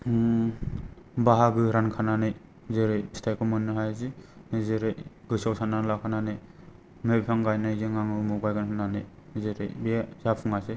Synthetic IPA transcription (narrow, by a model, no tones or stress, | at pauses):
baɦaɡɯɾankʰananɯj | zeɾɯjstʰajkʰɔmɯnːɯɦajzizeɾɯjɡɯsawsananlakʰananɯj | mebpʰaŋɡajnajɡeŋaŋɯmuɡajɡanhʰɯnanɯj | zeɾɯjbezapʰuŋase